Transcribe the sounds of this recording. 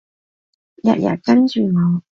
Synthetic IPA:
jɐ̰˨t̚ja̰˨˩kɐ˥nt͡ʃyː˨˩mɔ˨˧w

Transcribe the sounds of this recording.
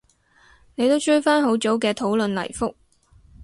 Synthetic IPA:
ne˨˧jt̪o˥wt͡ʃɵ˥ɥfaː˥nɦo˨˥wt͡so˨˥wkɛː˧t̪ʰo˨˥wlɵ˨˧nlɐ̰˨˩jfʊ˥k̚

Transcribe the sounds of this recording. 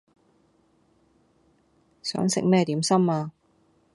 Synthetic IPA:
sœ̰ː˨˥ŋsɪ̰˨k̚mɛː˥t̪iː˨˥msɐ˥maː˧

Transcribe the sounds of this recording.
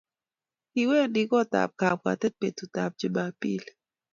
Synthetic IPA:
ki˨we˦ndi˦kɔ˦ta̰˨p̚ka˨p̚ka̰˨tɛ˦t̚pe˨tu˨ta˨p̚d͡ʒi˦ba˨pḭ˦l

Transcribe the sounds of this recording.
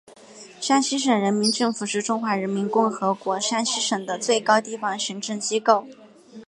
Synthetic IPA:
ʂa˥nɕi˥ʂ̬ɤ˨˩ŋɻə˧˥nmi˧˥nʈ͡ʂɤ˥˩ŋfu˨˩ʂɻ̩˥˧ʈ͡ʂʊ˥ŋxwa˧˥ɻə˧˥nmi˧˥nkʊ˥˩ŋxɤ˧˥kwɔ˧˥ʂa˥nɕi˥ʂɤ˨˩ŋd̪ə˦t͡swe˥˩ɪkɑ˥ʊt̪i˥˩fɑ˧˩ŋɕi˧˥ŋʈ͡ʂɤ˥˩ŋt͡ɕi˥ko˥˩ʊ

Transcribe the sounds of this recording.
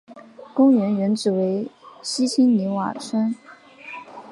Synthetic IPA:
kʊ˥ŋɥɛ˧˥nɥɛ˧˥nʈ͡ʂɻ̩˨˩we˧˥ɪɕi˥t͡ɕʰi˥ŋni˧˥wa̰˨˩ʂʰə˥n

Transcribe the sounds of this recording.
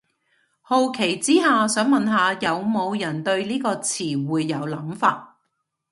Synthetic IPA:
ho˨˧wkʰe˨˩jt͡siː˥haː˨˧sœː˨˥ŋmɐ˨nɦaː˨˧jɐ˨˧wmo˨˧wjɐ˨˩nt̪ɵ˧ɥliː˥kɔː˧t͡sʰiː˨˩wuː˨˧jːɐ˨˧wlɐ˨˥mfaː˧t̚

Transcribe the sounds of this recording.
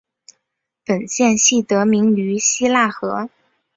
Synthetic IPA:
pə˨˩nɕjɛ˥˧nɕi˥˩t̪ɤ˧˥mi˧˥ŋy˧˥ɕi˥la˥˩xɤ˧˥

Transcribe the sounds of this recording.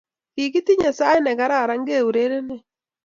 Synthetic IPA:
ki˨ɡi˦t̪i˦ɲa˨sa˦jɛ˦nɛ˨ɡa˨˦ɾa˦˨ɾa˦ŋɡe˦˨u˨ɾe˦ɾe˦ne˨

